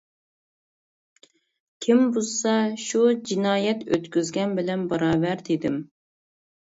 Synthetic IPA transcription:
kʲʰimbosɑʃud͡ʒinɑːjɛt̪øt̪kʲyzɡʲɛnbɪlɛnbɑɾɑːbæɾd̪ɪd̪ɪm

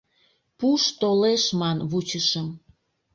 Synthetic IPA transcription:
puʃt̪oleʃmɑnβut͡ɕəʃəm

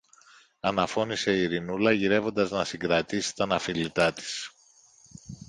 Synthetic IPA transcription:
ɐnɐfo̞nise̞iɾinulɐʝiɾe̞vo̞nd̪ɐznɐsiŋɡɾɐt̪isi̥t̪ɐnɐfilit̪ɐt̪i̥s

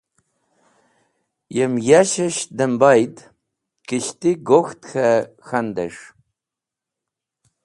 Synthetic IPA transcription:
jɛmjaʃɐʃdɐmbajtʰʼ | kɨʃtiɡoxtʰxɐ | xɐndɐ̰ʂ

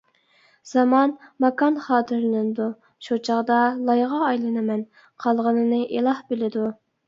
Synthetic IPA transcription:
z̥ɑmɑnmɑkɑnχɑːt̪ʰɨɾɨnɨnɨd̪u | ʃut͡ʃʰɑʁd̪ɑlˠɑjʁɑːjlˠɨnɨmɛn | qʰɑlˠʁənɨnɨʔelˠɑhbɪlɪd̪u

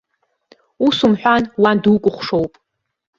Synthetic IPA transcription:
usumħᶣʷanwandukʷʼʊχʷʂowpʼ

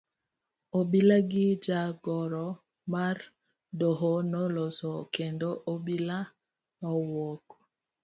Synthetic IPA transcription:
obilaɡid͡ʒaɡɔɾɔ | maɾ | dɔɦɔnɔlɔsɔkɛndɔʔobila | nɔwɔk

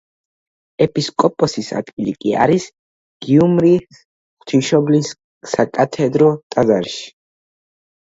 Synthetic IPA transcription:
ɛpʼiskʼɔpʼɔsisa̰d̪ɡilḭkʼia̰ɾis | ɡ̥iumɾi | χt̪ʰiʃɔblisː | akʼat̪ʰɛd̪ɾɔt̪ʼad̪aɾʃi̥

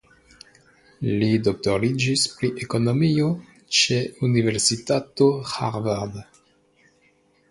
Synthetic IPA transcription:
lidok̚to̞ɾid͡ʒispɾiʔeko̞no̞mio̞ | t͡ʃe̞unive̞ɾsitatoha̰ɾvaɾd

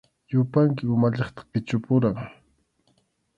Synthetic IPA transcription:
jʊpaŋkɪʊmaʎɑχt̪ɑ̥χpɪt͡ʃʊpʊɾaŋ

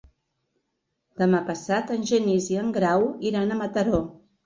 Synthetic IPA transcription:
d̪̥əmapəsat̪ənʲʒəniziəŋɡɾawiɾanəmət̪əɾo

